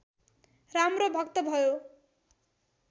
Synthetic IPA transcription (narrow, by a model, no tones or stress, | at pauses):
ramrobʱʌkt̪ʌbʱʌjo